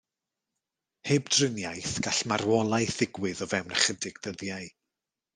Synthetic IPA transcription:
heːbdrɪnjajθɡ̥aɬmarwɔlˠajθɪɡwɪðɔvɛwnəχədɪɡ̥dəðjaɨ

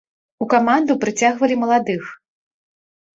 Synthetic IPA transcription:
ukamand̪upɾɨt͡sʲaɣvɐlʲimɐlˠad̪ɨx

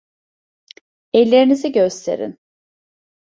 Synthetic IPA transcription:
ɛlʲːe̞ɾiniziɟøst̪ʰe̞̰ɾḭn

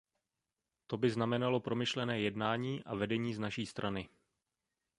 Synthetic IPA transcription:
t̪o̞bɪznamɛnalo̞pɾo̞mɪʃlɛnɛːjɛdnaːɲiːʔa̰vɛdɛɲiːznaʃiːst̪ɾʔanɪ

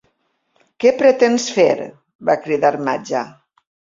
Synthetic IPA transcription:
kɛpɾet̪ensfḛɾ | bakɾiðaɾmad͡ʒa

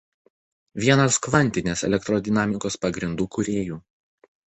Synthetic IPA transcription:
ʋʲiɛnɐskʋɐnʲt̪ʲɪnʲeːsɛ̰lʲɛkt̪ɾɔd̪ʲɪnɑːmʲɪkoːspɐɡɾʲɪnd̪uːkʊɾʲeːjuː

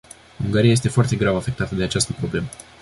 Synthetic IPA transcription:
uŋɡaɾijaje̞s̬t̪e̞foart̪e̞ɡɾavafe̞k̚t̪at̪əd̪e̞at͡ʃast̪əpɾo̞ble̞mə

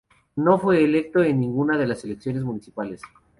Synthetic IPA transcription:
no̞fwe̞ːle̞k̚t̪o̞enːĩŋɡunaðe̞laseleksjo̞nezmũnisipale̞s

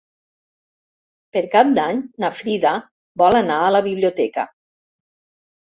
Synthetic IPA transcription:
pəɾkap̚d̪aɲnafɾiða | bɔlənaələβiβliot̪ɛkə̰

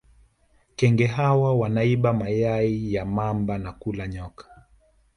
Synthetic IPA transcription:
kɛŋɡɛɦawawanaiɓamajaijamambanakulaɲɔkḁ

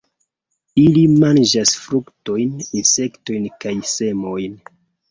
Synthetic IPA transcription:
ilimand͡ʒasfɾukto̞jninse̞kto̞jnkajse̞mo̞jn

